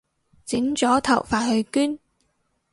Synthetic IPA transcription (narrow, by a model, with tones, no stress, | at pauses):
t͡sɪ˨˥ŋt͡sɔː˨˥t̪ʰɐ˨˩wfaː˨˩thɵ˧ɥkyː˥n